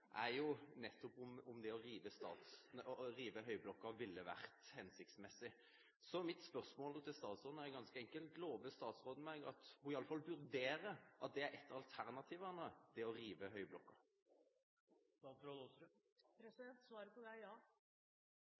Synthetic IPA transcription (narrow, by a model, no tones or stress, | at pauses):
ʔæɾjʊnɛt̪ːɔpʊmʊmd̪ɛɔɾiːʋəst̪ɑ̰ːt̪sʁiːʋəɦœʏblɔkːɑʋɪlːəʋæ̰ʁt̪hɛnsɪk̚t̪smɛsːɪ | sɔmɪt̪spœʁsmoːlt̪ʰɪlst̪ɑːt̪sʁoːd̪n̩æɾɛɡɑnskəɛŋkəlt̪loːʋəst̪ɑːt̪sʁoːd̪n̩mɛɡɑ̰t̪hʊɪɑlːəfɑlʋʉɾd̪eːɾəʔɑt̪̚d̪ɛæɾɛt̪ːɑlt̪ʰæʁnɑt̪ʰiːʋɑnəd̪̥ɪɔɾiːʋəɦœʏblɔkːɑ | ɑfɾɔ | pɾɛsɪd̪ɛnt̪sʋɑːɾəpɔd̪æɪjɑː